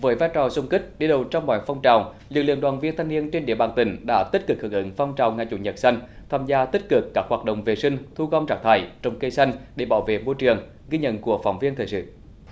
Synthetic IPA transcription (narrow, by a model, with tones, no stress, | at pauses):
vəː˨˦jvaː˧jt͡ɕɔ˨˩sʊ˧ŋ͡mkï˦˥k̟̚ɗi˧ɗə˨˩wt͡ɕɔ˧wŋ͡mmɔ̰˧˦jfɔ˧wŋ͡mt͡ɕaː˨˩w | lɨ˨˩klɨ̰˧əŋɗwaː˨˩nvi˧ənt̪ʰa˧jŋ̟ni˧ənt͡ɕe˧nɗḭ˧˨əɓaː˨˩nt̪ï˨˩ŋ̟ɗa̰ː˧˥t̪i˦˥t̚kɨ˨˩k̚hɨ˨˩ʔɨ̰˧˦ŋ̟fɔ˧wŋ͡mt͡ɕaː˨˩wŋa˨˩jt͡ɕṵ˧˩˦ɲə˨˩t̚sa˧jŋ̟t̪ʰaː˧mzaː˧t̪i˦˥t̚kɨ˨˩kːaː˦˥k̚hwaː˨˩t̚ɗə̰˧˨ŋ͡mve˨˩sï˧ŋ̟t̪ʰu˧ɣɔ˧wŋ͡mt͡ɕaː˦˥k̚t̪ʰa̰ː˧˩jt͡ɕɔ˧wŋ͡mkə˧jsa˧jŋ̟ɗe˧˩ɓaː˧˩wvḛ˧˨mo˧jt͡ɕɨ˨˩əŋ | ɣi˧ɲə̰˧˨nku˧˩əfa˨˩wŋ͡mvi˧ənt̪ʰəː˨˩jsɨ̰˧˨